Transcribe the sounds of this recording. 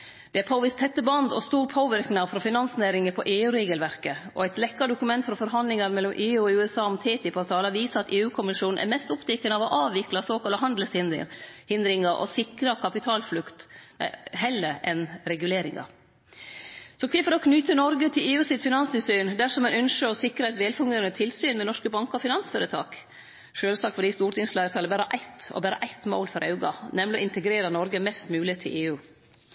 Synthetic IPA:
d̪̥ɛæpʰoːʋɪst̪ʰɛt̪ːəbɑnd̪ɔ̰st̪uːɾpʰoːʋɪɾknɑfɾɔfɪnɑnsneːɾɪŋəpʰɔʔeːʉːɾeːɡəlʋæɾkəɔ̰æɪt̪lɛkːɑd̪ʊkʉmɛnt̪fɾɔfɔɾɦɑnd̪lɪŋɑɾmɛlːɔmʔeːʉːɔʉːɛsɑːʊmt̪ʰeːt̪ʰɪpɑːʋt̪ʰɑːləʋiːsəɾɑt̪eːʉːkʰʊmɪʃuːn̩ʔæ̰ɾmɛst̪ʊpt̪ɛkːənəɑʋɔʔɑːʋɪklɑsoːkɑləɦɑnd̪l̩sɪ̰hɪnd̪ɾɪŋɑɾʔɔ̰sɪkɾɑkʰɑpɪt̪ʰɑːlflʉkt̪ | ɦɛləɾʔɛnɾɛɡʉleːɾɪ̰ŋɑ̰ɾ | sɔkʰʋɪfɔɾɔkʰnyt̪ənɔɾɡət̪ʰɪleːʉːsɪt̪fɪnɑnsʏsyːnd̪æʂɔmɛnœnʃəɾɔsɪkɾɑɛt̪ʋeːlfʊŋɡ̪eːɾənət̪ʰɪlsyːnmɛnɔʂkəbɑŋkəɔfɪnɑnsføːɾət̪ʰɑ̰ːk | ʂøːlsɑːkfɔɖiːst̪uːʈɪŋsflæːɾət̪ʰɑləbæːɾəʔæɪt̪ɔ̰bæːɾə̰ʔæɪt̪mo̰ːlfɔɾɑʉɡɑ̰nɛmlɪɔ̰ɪnt̪əɡɾeːɾɑnɔɾɡəmɛst̪mʉːlɪt̪ʰɪlʔeːʉː

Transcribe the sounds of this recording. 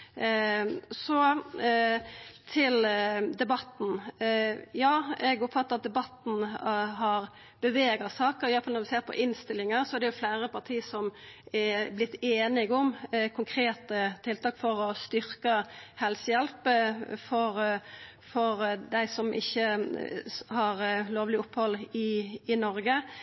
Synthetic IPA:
sɔ | t̪ʰɪld̪ɛbɑt̪n̩ | jɑːɛɡʊpfɑt̪ːəʁɑt̪̚d̪ɛbɑt̪n̩ɦɑɾ | b̥əʋeːɡɑsɑːkəɾɪʋæfɑlɔɾʋɪseːɾpʰɔ̰ʔɪnst̪ɪlɪŋəɾsɔæɾd̪ɛjʊflæːɾəpʰɑt̪ʰiːsɔmɛblɪt̪ːeːnɪɡʊmkʰʊŋkʰɾeːt̪ət̪ʰɪlt̪ʰɑːkfɔɾɔst̪ʏɾkəhɛlsəjɛlpfɔɾ | fɔɾd̪æɪsɔmʔɪ̰çːə | hɑɾloːʋlɪʊphɔlːɪɪnɔɾɡə

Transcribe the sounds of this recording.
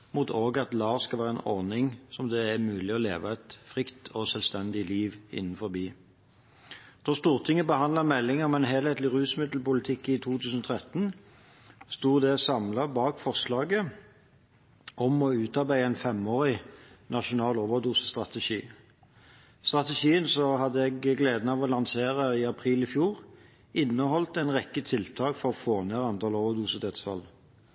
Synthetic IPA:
mʊt̪ʰoːɡɑt̪lɑːʁskɑlʋæːʁəɛnʔɔʁnɪŋsɔmd̪ɛæmʉːlɪɔlḛːʋəɛt̪fʁɪkt̪ʰɔsœlst̪ɛnd̪ɪliːʋɪ̰nːn̩fɔʁbiː | d̪̥ɔst̪uːʁt̪ʰɪŋːəbəhɑnd̪ləʁmɛlːɪŋəɔmɛnɦeːlheːt̪lɪʁʉːsmɪd̪l̩pʊlɪt̪ʰɪkːɪt̪ʰuːt̪ʰʉːsən̩ɔːt̪ʰʁɛt̪ːn̩ | st̪uːʁd̪eːsɑmlɑbɑːkfɔʁʂlɑːɡə | ɔmɔʉːt̪ɑʁbæɪəɛnfɛmoːʁɪnɑʃʊnɑːlɔːʋəʁd̪uːsə̥st̪ʁɑt̪əʂḭː | st̪ʁɑt̪əʃiːənsɔhɑd̪ːəɛɡɡleːd̪n̩ɑːʋɔlɑŋseːʁəɪɑpʰʁiːlɪfjuːʁ | ɪnːəhɔlt̪ɛnʁɛkːət̪ʰɪlt̪ʰɑːkfɔʁɔfoːneːʁɑnt̪ʰɑːlɔːʋəʁd̪uːsəd̪ʰɛt̪sfɑ̰l

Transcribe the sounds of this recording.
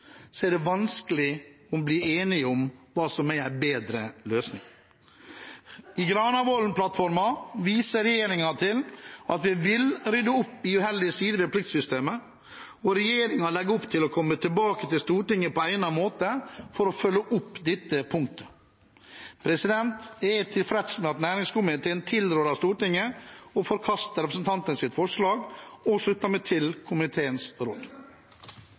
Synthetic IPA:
sɔæɖɛʋɑnskəlɪ | ɔbliːeːnɪɔmʋɑːsɔmææɪbeːd̪ɾəløːsnɪ̰ŋ | ɪɡɾɑːnɑʋɔlnplɑt̪fɔɾmɑʋiːsəɾɛjeːɾɪŋɑt̪ʰɪlɑt̪ʋɪʋɪlɾʏd̪əʊpːɪʉhɛld̪ɪəsiːd̪əʋɪplɪkt̪sʏst̪eːmə | ɔɾɛjeːɾɪŋɑlɛɡːəʊpt̪ʰɪlɔkʰɔmːət̪ʰɪlbɑːkət̪ɪlst̪uːʈɪŋːəpɔæɪnɑmoːt̪əfɔɾɔfœlːəʔʊpːd̪ɪt̪ːəpʰʊŋkt̪ə̥ | pʰɾɛsɪd̪ɛnt̪ɛt̪ʰɪlfɾɛt̪smɛɑt̪næːɾɪŋskʊmɪt̪ʰeːənt̪ʰɪld̪ɾøːɾɑst̪uːʈɪŋːəɔfɔɾkʰɑst̪əɾɛpɾəsən̩t̪ʰɑnt̪ənsɪt̪fɔʂɭɑːɡɔʂlʉt̪ːɑmɛt̪ʰɪlkʰʊmɪt̪ʰeːənsɾɔ̰ːd̪

